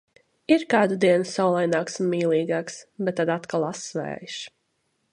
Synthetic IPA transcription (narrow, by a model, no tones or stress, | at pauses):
iɾkɑːd̪ud̪iɛnusawlˠajnaːksumiːlˠiːɡaːksbɛt̪ːad̪at̪kalˠasvæ̰ːjʃ